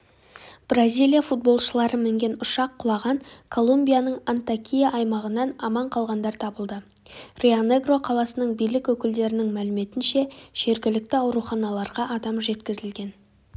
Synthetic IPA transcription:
b̥razʲijlˠijafut̪̚bo̞lˠʃəlˠɑɾəmɪŋɡʲe̞nʊʃɑqʰːʊlˠɑʁɑɴkʰo̞lˠumbʲijanəɴant̪akʲʰijaʔɑjmɑʁənːɑnɑmɑɴqʰɑlˠʁɑnd̪ɑɾt̪ʰɑbəlˠd̪ə | re̞one̞ɡro̞qʰɑlˠɑsənəɴbijlɪkʲwɵkʲɪld̪e̞ɾɪnɪŋmælɪme̞t̪ɪnʃe̞ʒ̥e̞ɾɡʲɪlɪk̚t̪ɪɑwɾuχɑnɑlˠɑɾʁɑʔɑd̪ɑmʒe̞t̪kʲɪzɪlɡʲe̞n

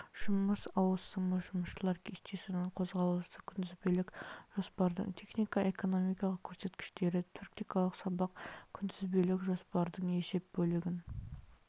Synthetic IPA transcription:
ʒ̥ʊməsɑwəsəməʒʊməsʃəlˠɑɾkʲʰe̞st̪e̞sɪnɪɴqʰo̞zʁɑlˠəst̪əkʲʰʏnd̪ɪzbelɪkʒ̥o̞spɑɾd̪ə̰ɴt̪ʲʰe̞χnʲijkɑʔe̞ko̞no̞mijkɑlˠəkʲʰɵɾse̞t̪kʲɪ̥ʃt̪e̞ɾɪt̪ʰuɾkt̪ijkɑlˠəqsɑbɑqkʲʰʏnd̪ɪzbelɪkʒo̞spɑɾd̪əɴe̞ʃe̞p̚bɵlɪɡʲɪn

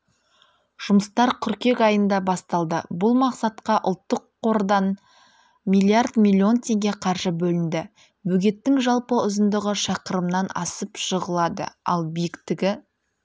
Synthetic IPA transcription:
ʒ̥ʊməst̪ɑɾkʲʰʏɾkʲe̞kɑjənd̪ɑbɑst̪ɑlˠd̪əbʊlˠmɑqsɑt̪qɑʔʊlˠt̪ːəqʰːo̞ɾd̪ɑn | mʲilʲiard̪mʲilʲːio̞nt̪ʰʲe̞ŋɡʲe̞qʰɑɾʒəbɵlɪnd̪ɪ | bɵɡʲe̞t̪ːɪŋʒɑlˠpəʊzənd̪əʁəʃɑqəɾəmnɑnɑ̰səpʃəʁəlˠɑd̪ə̰ɑ̰lˠbijɪkt̪ɪɡʲɪ

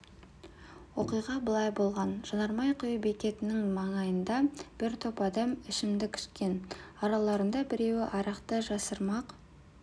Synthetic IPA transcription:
wo̞qijʁɑbəlˠɑjbo̞lˠʁɑnʒ̥ɑnɑɾmɑjqʰojbekʲe̞t̪ɪnɪŋmɑɴɑjənd̪ɑb̥ɪɾt̪ʰopɑd̪ɑmɪʃɪmd̪ɪkʲʰʏ̥ʃkʲe̞nɑɾɑlˠɑɾənd̪ɑbɪɾe̞wɪʔɑɾɑqt̪əʒɑsəɾmɑq

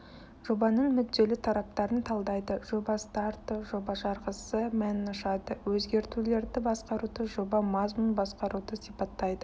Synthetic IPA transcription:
ʒ̥o̞bɑnəɴmʏd̪ːe̞lɪt̪ʰɑɾɑp̚t̪ɑɾənt̪ʰɑlˠd̪ɑjd̪əʒo̞bɑst̪ɑɾt̪əʒo̞bɑʒɑɾʁəsəmænɪnʊʃɑd̪əwɵzɡʲe̞ɾt̪ule̞ɾd̪ɪbɑsqɑɾud̪əʒo̞bɑmɑzmunbɑsqɑɾud̪əsipɑt̪ːɑjd̪ə

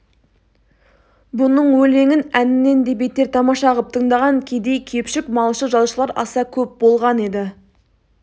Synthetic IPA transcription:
bʊnəɴwɵle̞ŋɪnænɪnːe̞nd̪e̞be̞t̪e̞ɾt̪ʰɑmɑʃɑʁəp̚t̪ʰəɴd̪ɑʁɑŋkʲʰe̞d̪e̞jkʲʰe̞pʃɪkmɑlˠʃəʒɑlˠʃəlˠɑɾɑ̰sɑkʲʰɵp̚bo̞lˠʁɑne̞d̪ɪ

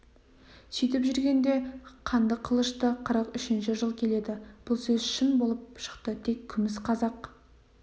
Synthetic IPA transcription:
sit̪̬ɪpʒʏɾɡʲe̞nd̪e̞qʰɑnd̪əqʰəlˠəʃt̪əqʰəɾəqʏʃɪnʃɪʒəlˠkʲʰe̞le̞d̪ɪb̥ʊlˠsɵzʃɪnbolˠəp̚ʃə̥qt̪ət̪ʰe̞kʲʰːʏmɪsqʰɑzɑq

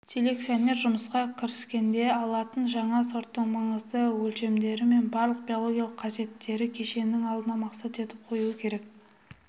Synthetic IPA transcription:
sʲʰe̞le̞k̪̚sione̞ɾʒʊməsqɑkʲʰɪɾɪskʲe̞nd̪e̞ɑlˠɑt̪ənʒɑɴɑso̞ɾt̪ːəɴmɑɴəzd̪əwɵlʃe̞md̪e̞ɾɪme̞nbɑɾlˠəq̚b̥ʲijolˠo̞ɡʲijɑlˠəqʰːɑze̞t̪ʰːe̞ɾɪkʲʰe̞ʃe̞nɪŋɑlˠd̪ənɑmɑqsɑt̪e̞t̪ɪp̚qʰo̞juəkʲʰe̞ɾe̞k̚

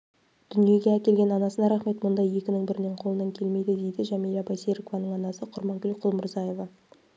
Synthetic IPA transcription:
d̪̥ʏnije̞ɡʲeækʲe̞lɡʲe̞nɑnɑsənɑɾɑχme̞t̪mʊnd̪ɑjje̞kʲɪnɪŋbɪɾɪneɴqʰo̞lˠənɑŋkʲʰe̞lme̞jd̪ɪd̪e̞jd̪ɪʒæmijlɑbɑjseɾikovɑnəɴɑnɑsəqʰʊɾmɑŋɡʲʏlqʰʊlˠmʊɾzɑje̞vɑ

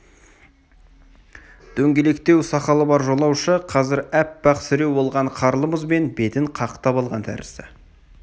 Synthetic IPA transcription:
d̪̥ʰɵŋɡʲe̞le̞kt̪e̞wsɑqɑlˠəbɑɾʒo̞lˠɑwʃəqʰɑzɪɾæp̚bɑqsɪɾe̞wo̞lˠʁɑɴqʰɑɾlˠəməzbe̞nbe̞t̪ɪɴqʰɑqət̪ɑpɑlˠʁɑnt̪ʰæ̰ɾɪ̰sɪ

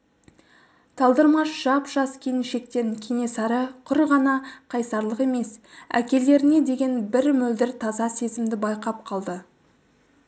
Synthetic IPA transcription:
t̪ʰɑlˠd̪əɾmɑʃʒ̥ɑpʒ̥ɑskʲʰej̪ɪnʃe̞k̚t̪e̞ŋkʲʰene̞sɑɾəqʰʊɾʁɑnɑqʰɑjsɑɾlˠəqe̞me̞sæ̰kʲe̞le̞ɾɪne̞d̪e̞ɡʲe̞nbɪɾmɵld̪ɪɾt̪ʰɑzɑse̞zɪmd̪ɪbɑjqɑp̚qʰɑlˠd̪ə

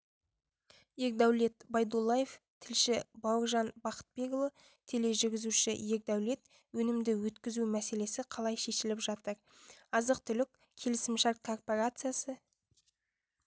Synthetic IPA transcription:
je̞k̚d̪æwle̞t̪bɑjd̪ulˠːaje̞f | t̪ʰɪlʃɪbɑwəɾʒɑnbɑqə̥t̪̚be̞kovˠə | t̪ʰe̞le̞ʒʏɾɡʲɪzuʃɪje̞k̚d̪æwle̞t̪ | wɵnɪmd̪ɪwɵt̪kʲɪzumæse̞le̞sɪqʰɑlˠɑjʃe̞ʃɪlɪpʒɑt̪əɾ | ɑzəq̚t̪ʰʏlɪk̚ʲ | kʲʰe̞lɪsɪmʃɑɾkʰo̞rpoɾat̪sɨjasə

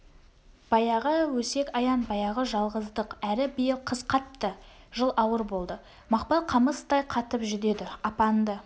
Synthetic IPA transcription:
b̥ɑjɑʁəwɵse̞kɑjɑnbɑjɑʁəʒɑlˠʁəzd̪əqæɾɪbijɪlˠqʰəzqʰɑt̪ːə | ʒəlˠɑwəɾbo̞lˠd̪ə | mɑqpɑlˠqʰɑməst̪ɑjqʰɑt̪əpʒʏd̪e̞d̪ɪɑpɑnd̪ə

